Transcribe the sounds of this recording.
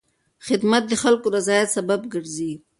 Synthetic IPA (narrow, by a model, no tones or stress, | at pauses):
xɪd̪mat̪̚d̪əxalkoɾazɑjat̪sabab̚ɡəɾzi